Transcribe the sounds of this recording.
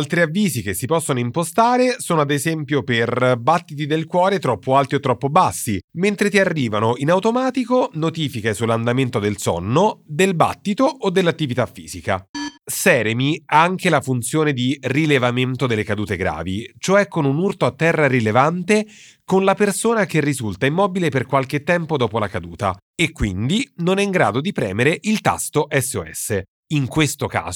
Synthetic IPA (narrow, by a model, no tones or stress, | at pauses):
alt̪ɾiavːiːzikesːipɔsːonoimpost̪aːɾesoːnoad̪ezɛmpjoperbat̪ːit̪̬id̪elkwɔːɾet̪ɾɔpːoalt̪iot̪ːɾɔpːobasːiment̪ɾet̪iarːiːvanoinawt̪omaːt̪ikonot̪iːfikesulːand̪ament̪od̪elsɔ̰nːod̪elba̰t̪ːit̪oːd̪ːelːat̪ːivit̪afːiːz̥ika̰sɛːɾemiaaŋk̟elafunt̪sjoːned̪irilevament̪od̪elːekad̪uːt̪eɡɾa̰ːvit͡ʃoɛkːonunurt̪oat̪ːɛrːarilevant̪e | konlapersoːnak̟erːizult̪aimːɔːbileperkwalk̟et̪ːɛmpod̪ɔːpolakad̪uːt̪a | ekːwind̪inonɛiŋɡɾa̰ːd̪od̪ipɾɛ̰ːmeɾeʔilt̪a̰st̪oʔɛsːeoɛ̰sːe | iŋkwest̪oka̰ː